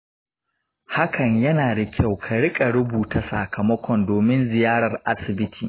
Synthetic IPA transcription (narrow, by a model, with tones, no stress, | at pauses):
ha˦kʰɐ˨ɲjɐ˦naː˨dɐ˨kʲʰa˦˨wkʰa˨ɽɪ˦kʼa˨ɽʊ˦buː˨ta˨sa̰˨kʰɐ˨mɐ˦kʷɔ˨ndoː˨mɪ˦nzɪ˨jaː˦ɽɐ˨rʔa˦sɪ˨bɪ˦tʰiː˨